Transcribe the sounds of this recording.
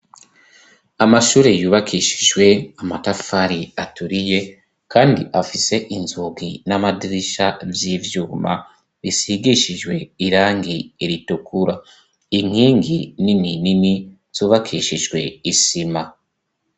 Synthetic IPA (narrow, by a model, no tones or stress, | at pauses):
amaʃuːɾejuːβakʰiʃi̥ʒwe̞amatafaɾiatuɾije̞ | kaːndiʔafise̞ʔinzuɡinamadiɾiʃavjiːvjuːma̰ | βisiɡiʃiʒwe̞iɾaːŋɡiiɾitukʰuɾa | iŋ̥iːŋɡinininini | z̥uːβakʰiʃiʒɡwe̞isima